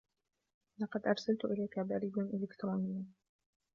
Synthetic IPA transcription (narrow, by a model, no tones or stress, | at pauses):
lɑqɑd̪ʔɑɾˤsalt̪ʊʔɪlaːkabaɾiːbaʔɪlɪkt̪ɾuːnɪjːa